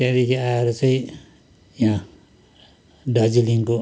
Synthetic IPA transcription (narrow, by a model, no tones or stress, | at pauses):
kãd̪ekʰiaeɾut͡saĩ | jã | ɖʌd͡ziliŋko